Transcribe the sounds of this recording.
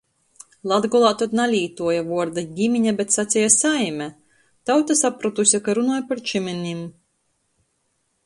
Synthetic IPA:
lˠad̪ɡɔlˠaːt̪ɔt̪nalʲiːt̪uɔjavuɔɾd̪aɡʲimʲiɲabʲet̪sat̪sʲijasajmʲɛ | t̪awt̪asapɾut̪usʲakaɾunuɔjpaɾt͡ʃiminʲim

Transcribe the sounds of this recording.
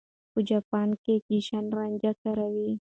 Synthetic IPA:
pud͡ʒapankekiʃanɾaɲd͡ʒakaɾawi

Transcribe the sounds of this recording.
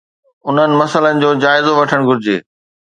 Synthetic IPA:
ʊn̤ənɪ̆mɐsələnɪ̆d͡ʑoːd͡ʑaːɪzoʋɐʈʰəɽ̃ɡʱʊɾɪd͡ʑḛː

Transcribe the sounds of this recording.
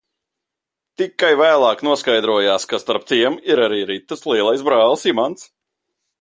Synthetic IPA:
t̪ikːajvæːlˠɑːknuɔskajd̪ɾuɔjaːskast̪aɾp̚t̪iɛmiɾaɾiːɾit̪ːɨslˠiɛlˠajsbɾɑːlˠsimant̪s

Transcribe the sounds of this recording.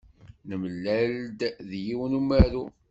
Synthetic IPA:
nəmlːæld̪ðjiwnumæɾu

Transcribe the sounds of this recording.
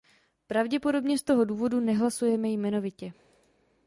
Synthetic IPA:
pɾavɟɛpo̞do̞bɲɛst̪o̞ɦo̞duːvo̞dunɛɦlasujɛmɛjmɛno̞vɪcɛ

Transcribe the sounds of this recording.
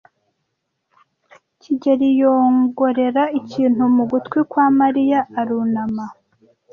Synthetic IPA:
ciɟeɾijo̞ːŋɡo̞ɾe̞ɾaiciːn̥humuɡutkwikwaːmaɾijaːɾunama

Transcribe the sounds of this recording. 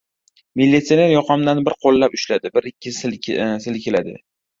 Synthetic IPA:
mɪlʲːit̪sine̞ɾjɒqʰɑmd̪anbɪɾqʰolˠːapʊʃlad̪ɪbɪɾɪkʲʰːɪssɪlkʲʰɪlad̪ɪ̰

